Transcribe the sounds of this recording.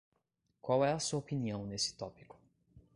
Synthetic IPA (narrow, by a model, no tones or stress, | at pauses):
kwawɛɐsuɐopiniɐ̃w̃nesɪ̥t̪ɔpi̥kʊ̥